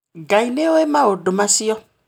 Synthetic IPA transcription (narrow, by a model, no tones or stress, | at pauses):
ɡaileoemãoɖomãsijɔ